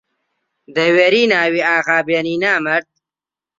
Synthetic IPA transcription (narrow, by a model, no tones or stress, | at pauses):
d̪ɐweɾiːnaːwiaːɣaːbjeniːnaːmɐɾt̪̚